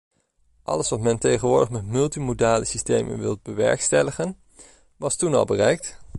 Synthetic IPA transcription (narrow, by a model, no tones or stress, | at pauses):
ʔɑ̰ləsʋɑtmɛntejχənʋʊːɹdəχmɛtmɵlˠtimodaːləsistejmə̰nʋɪ̰lˠd̚bəʋɛ̰ɹkstɛləχən | ʋɑstunɑ̰lˠbərɛjk̚t